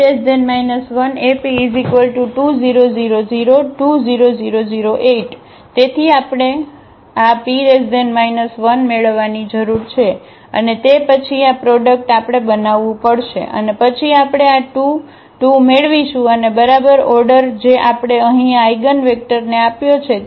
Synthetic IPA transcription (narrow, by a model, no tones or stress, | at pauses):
ɾesidenmainəsʋənepiːzikʋəlʈuʈuziɾoziɾoziɾoʈuziɾoziɾoziɾoʔeʈ | t̪et̪ʰiapɽ̃e | apiɾesidenɖmainəsʋənmeɭʋːanid͡ʒəɾuɾt͡ʃʰe | ə̰net̪epət͡ʃʰiapɾɔɖək̚ʈapɽ̃ebənaʋːũpəɽʃḛʔə̰nepət͡ʃʰiapɽ̃eaʈu | ʈumeɭʋiʃũənebəɾabəɾɔɾɖəɾd͡ʒeʔapɽ̃eəɦĩaiɡənʋek̚ʈəɾneapjot͡ʃʰe